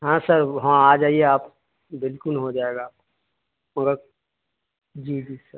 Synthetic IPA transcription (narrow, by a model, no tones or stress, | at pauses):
ɦãːsəɾɦãaːd͡ʒaːieaːp | bɪlkʊlɦod͡ʒaːeːɡaːp̚ko | mɐɡəɾ | d͡ʒiːd͡ʒiːsəɾ